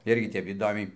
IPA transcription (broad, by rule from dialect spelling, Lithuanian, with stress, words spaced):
ˈɪrʲɡʲɪ ˈtʲɛp iːˈdoːmʲɛɪ